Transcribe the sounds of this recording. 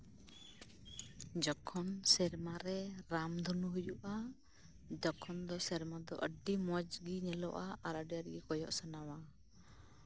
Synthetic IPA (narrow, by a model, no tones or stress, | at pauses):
d͡ʒɔkʰɔnsɛɾmaɾɛɾamd̪ʱɔnuɦujuʔa | d̪ɔkʰɔnd̪ɔsɛɾmad̪ɔʔəɖimɔd͡ʒɡinɛlɔʔaaɾaɖjaɾɡikɔjɔʔsanawa